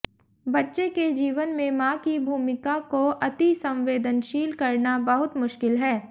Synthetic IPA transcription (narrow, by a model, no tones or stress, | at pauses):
bɐtːʃeked͡ʒiːʋənmẽmãːkibʱuːmɪkakoʔɐt̪isɐ̃mʋeːd̪ənʃiːlkɐɾnabɐɦʊt̪mʊʃkɪlɦɛː